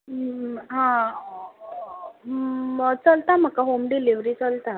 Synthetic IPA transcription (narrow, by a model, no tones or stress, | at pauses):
ɦã | ət͡səlt̪am̤əkaɦomɖiliʋɾit͡səlt̪a